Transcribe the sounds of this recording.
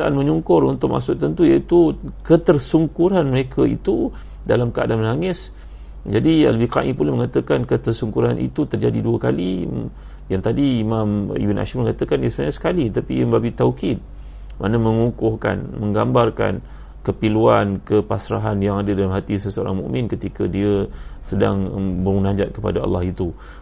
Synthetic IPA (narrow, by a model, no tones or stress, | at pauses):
aʔanməɲuŋkʊrṵnt̪ʊʔ̚mʔa̰ʔsʊk̚t̪ənt̪ujait̪ukət̪ərsuŋkuɾanməɾekʰaḭt̪u | dalamkəa̰danmənaŋɪs | d͡ʒadia̰ləbɪhka̰ʔipulaməŋat̪əkankət̪ərsuŋkuɾanʔḭt̪ut̪ərd͡ʒadiduəkalḭ | jaŋt̪adiːmãmḭbinʔa̰ʃaməŋat̪əkaniəsəmaɲasə̥kalit̪apiməbabit̪aukit̪̚ | mʔanaməŋukʊhka̰nməŋɡambarka̰n | kəpiluankəpasɾa̰ɦanjaŋadədalamɦat̪isəsəo̰ɾa̰ŋmṵ̃ʔmɪ̃nkət̪ikədiəsəda̰ŋbəunãɲd͡ʒat̪̚kəpa̰daɑ̰lːɑhit̪u